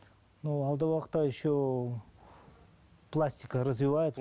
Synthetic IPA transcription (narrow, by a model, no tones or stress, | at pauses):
nualˠd̪əvaqt̪aɪɕːo | plˠasʲtʲɪkəɾəzvʲɪvajɪt̪s